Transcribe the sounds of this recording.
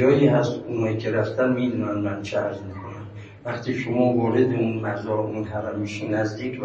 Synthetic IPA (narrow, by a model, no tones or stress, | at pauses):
ɒːjiːɦæst̪unɒjiːkʲʰeɾæft̪ʰænmiːd̪uːnænmænt͡ʃʰeæɾzmikʰonæm | væχt̪ʰiːʃomɒːvɒːɾed̪eunmæɾzɒʔunɦæɾæmiʃunːæzd̪iːkʰv